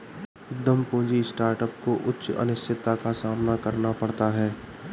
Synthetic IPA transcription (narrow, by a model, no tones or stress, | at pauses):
d̪əmpõːd͡ʒisʈaːɾʈəpkoʔʊtːʃɐ̰nɪst̪ʰɪt̪ːakasaːmnakɐɾnapɐɽt̪aɦɛː